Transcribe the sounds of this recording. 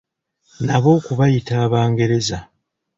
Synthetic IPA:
naβo̞ːkuβajitaːβaːŋɡe̞ɾe̞za

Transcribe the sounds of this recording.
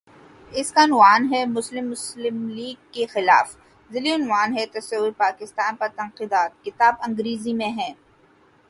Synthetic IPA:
ɪskanʊwaːnɦɛmʊslɪmːʊslɪmliːɡ̚kexɪla̰ːf | zɪliʊnʋaːnɦɛt̪ɐsɐwːʊɾpaːkɪst̪aːnpɐɾt̪ɐ̃nqiːd̪aːt̪̚kɪt̪aːbɐ̃ŋɡɾiːzimẽɦɛ̃ː

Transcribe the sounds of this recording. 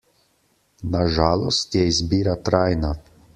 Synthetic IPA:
naʒaːlɔst̪jɛizbiːɾat̪ɾaːjna

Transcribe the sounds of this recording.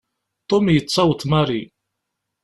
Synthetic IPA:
t̪ˤomjət͡sˤːɑwət̪maɾi

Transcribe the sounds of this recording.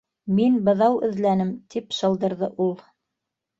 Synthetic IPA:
minbɤ̆ðɑwɵ̆ðlænɘmt̪ipʃɤ̆lˠd̪ɤ̆ɾðɤʔulˠ

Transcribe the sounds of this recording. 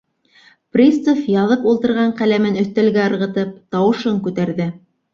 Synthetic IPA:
prʲissofjɑðɤpulˠt̪ɤ̆ɾʁɑɴqælæmɘnɵ̆θt̪ælɡæɤ̆ɾʁɤ̆t̪ɤp̚t̪ɑwɤ̆ʃɤŋkʉt̪æɾðɘ

